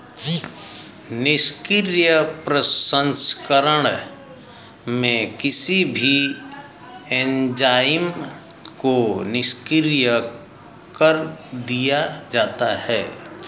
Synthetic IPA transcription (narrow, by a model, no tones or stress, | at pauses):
nɪʃkɪɾjəpɾəsə̃nskəɾəɽ | mẽkɪsibʱi | ɛ̃ːnd͡ʒaːm | konɪskɪɾjə | kəɾd̪ijad͡ʒaːt̪ahɛː